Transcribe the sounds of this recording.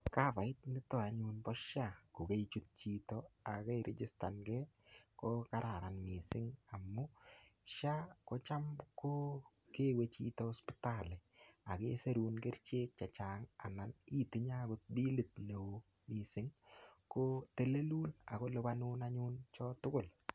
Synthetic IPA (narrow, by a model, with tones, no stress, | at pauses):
ka˦pa˨ɪ˦t̚nɪ˦tɔ˨a˨ɲu˧npɔ˦ʃako˨ke˦it͡ʃut̚t͡ʃi˦tɔ˦a˨ke˦iɾʔe˨d͡ʒɪ˦sta˨nɡɛ˦ | ko˦ka˦ɾa˨ɾa˨nmi˨sɪ˦ŋa˨mːʊ˦ʃa˦ko˦t͡ʃa˦mko˦ | ke˦we˨t͡ʃḭ˦tɔɔ˦spɪ̥talɪ˨a˨ke˦se˦ɾu˦nke˦ɾt͡ʃeː˦k̚t͡ʃa˨t͡ʃaː˨ŋa˨nani˦tɪ˨ɲa˦ɡʊt̚bi˦lɪ˨t̚ne˨o | mi˨sɪ˦ŋkote˨le˦luː˦la˨ko˦lʊ˦ba˦nʊː˦naɲu˦nt͡ʃɔtʊ˦ɡʊ˨l